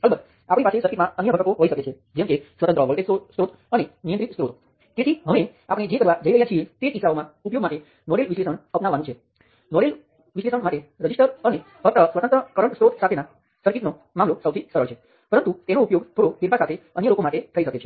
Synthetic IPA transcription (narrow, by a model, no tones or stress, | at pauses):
əlbək | apɽipasesəɾkʰit̪mãənjəbʱəkʈəkoɦoiʃəket͡ʃʰe | d͡ʒɛmkesʋət̪ənt̪ɾəːʋəɭʈ̪et̪osɾot̪ | ənenijənt̪ɾit̪st̪ɾot̪o | t̪et̪ʰiɦəʋeapɽ̃ed͡ʒekəɾʋad͡ʒəiɾəɦjat͡ʃʰiet̪eisaomãupjoɡmaʈe | nɔɽelʋiʃlesənəpnaʋːanũt͡ʃʰe | nɔɽel | ʋiʃlesəɳmaʈeɾəd͡ʑiʂʈəɾəne | əp̪əsʋət̪ənt̪ɾəkəɾəɳsɾot̪sat̪ʰena | səɾkit̪no | mãmlosəwt̪ʰisəɾəɭt͡ʃʰe | pəɾənt̪ut̪enoupjoɡpʰoɾofiɾpasat̪ʰeənjəlokomaʈet̪ʰəiʃəket͡ʃʰe